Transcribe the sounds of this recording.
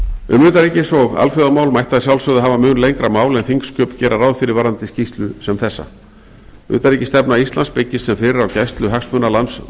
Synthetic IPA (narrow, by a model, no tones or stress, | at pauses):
ʏ̰mʏːt̪aɾicɪsɔɣa̰lfʏðamaːwlmajht̪aðɪsjawlsvœðʏɦaːvamʏnlejŋkɾamaːwlɛnθiŋkscœːpcɛːɾaraːwðfɪɾɪɾvaːɾant̪ɪscist̪lʏsɛmθɛsːa̰ | ʏ̰ːt̪aɾicɪst̪ɛpnaist̪lanspɪcːɪssɛmfɪɾɪɾawcɛst̪lʏɦaksmʏnalans